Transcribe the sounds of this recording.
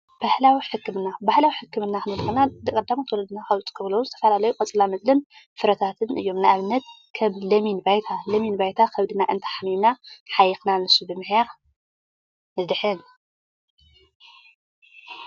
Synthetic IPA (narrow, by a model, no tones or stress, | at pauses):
b̥ahlawiħɨkːɨmɨnːabahlawiħɨkːɨmɨnːaxɨnɐlɨxɨnad̪ɨkʼɐd̪ːamot̪ʰwɔlɐd̪ɨnaxɐwt͡s̪ʼkʰɨβlɐwuzɨt̪ʰɐfɐlalɐjukʼɐt͡sʼlamɐzlɨnfɨɾɐt̪ʰat̪ʰɨnʔɨ̰jːo̞mnaaβɨnːɐt̪ | kʰɐmlɐminbajt̪ʰalɐminbajt̪ʰakʰɐβd̪ɨnaʔɨnt̪ʰḁħamimnaħajɨxnanɨsubɨmɨħja | zɨd̪ɨħɨn